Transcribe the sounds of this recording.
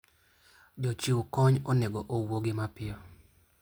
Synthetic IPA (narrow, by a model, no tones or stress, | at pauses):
d͡ʒɔt͡ʃiwkɔɲɔnɛɡɔʔowoɡɪmapɪɔ